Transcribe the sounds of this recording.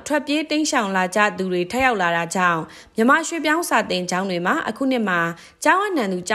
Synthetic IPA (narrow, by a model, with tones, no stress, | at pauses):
tʰwɛ˦˨pje˦tẽ˦ɪ̃ʃã˨ʊ̃nla˨d͡ʑa̰˦˨d̪u˨dwe˨tʰɛ˦ʔja˦ʊʔla˨ɾa˨d͡ʑã̰˦˨ʊ̃ | mjəma˨ʃwḛ˦˨p̬jã˦ʊ̃sa˨t̪ɪ̃˨ɲd͡ʑã˦ʊ̃ndwe˨m̥a˨ʔə̰kʰṵ˦˨n̥ɪ˦˨m̥a˨ | t͡ɕã˦ʔɛ̃˦˨nã˨nd̪u˨t͡ɕa˦